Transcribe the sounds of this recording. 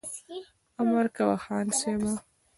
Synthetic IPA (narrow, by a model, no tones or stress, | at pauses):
amaɾkawaxɑːnseba